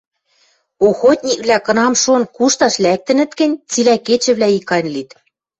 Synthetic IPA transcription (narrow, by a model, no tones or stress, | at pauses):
oxot̪ʲnʲik̚βlækɤ̆nɑmʃonkuʃt̪ɑʃlæk̚t̪ɘ̆nɘ̆t̪kɘ̆nʲt͡silæket͡ɕɘ̆βlæikɑnʲlit̪